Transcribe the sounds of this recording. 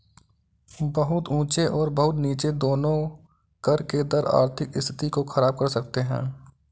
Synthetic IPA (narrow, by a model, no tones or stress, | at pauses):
bɐɦʊt̪ũːt͡ʃeʔɔːɾbəɦʊt̪niːt͡ʃed̪oːnõ | kɐɾked̪ɐɾa̰ːɾt̪ʰɪkɪ̰st̪ʰɪ̥t̪ikoxʰɐɾaːb̚kɐɾsɐk̚t̪eɦɛ̰̃ː